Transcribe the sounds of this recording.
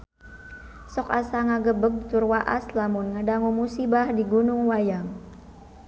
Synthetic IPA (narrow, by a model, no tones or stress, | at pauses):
sɔkasaŋaɡəbəɡ̚t̪ʊrwaʔa̰slamʊnŋadaŋumusibahdiɡunʊŋwajaŋ